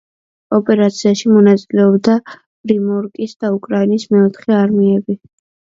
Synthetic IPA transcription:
ɔpʼɛɾat̪sʰiaʃimɔnat̪sʼilɛɔbd̪ḁ | ɾimɔɾkʼisd̪̥aukʼɾainismɛɔt̪ʰχɛaɾmiɛbi

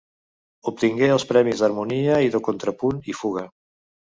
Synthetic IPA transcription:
up̚t̪iŋɡeəlˠspɾɛmizðəɾmuniəiðəkont̪ɾəpunifuɣ̞ə

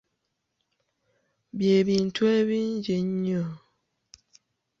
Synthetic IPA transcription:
bjebin̩twɛbind͡ʒeɲɲə

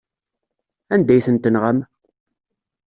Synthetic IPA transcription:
ænd̪æjθənt̪ənʁæm

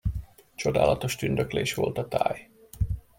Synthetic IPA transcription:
t͡ʃo̞d̪a̰ːlɒt̪o̞ʃt̪ynd̪økleːʃʋo̞̰lt̪ɒt̪aːj

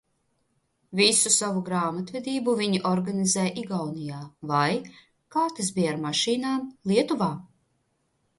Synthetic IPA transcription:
visusavuɡɾaːmat̪vɛd̪iːbuviɲiʔɔɾɡanizɛjʔiɡawnijaːvaj | kaːt̪ɨs̬bijaɾmaʃiːnaːmlˠiɛt̪uvaː

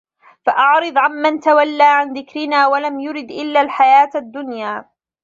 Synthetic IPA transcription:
faʔɑʕɾɨd̪ˤʕamːant̪awalːaːʕanðɪkɾɪnaːwalamjʊɾɪd̪ʔɪlːalħajaːt̪ad̪ːʊnjaː

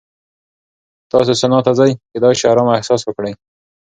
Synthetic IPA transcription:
t̪ɑs̬esanɑt̪azajked̪ɑʃɑɾɑmaɪhsɑswəkɽaj

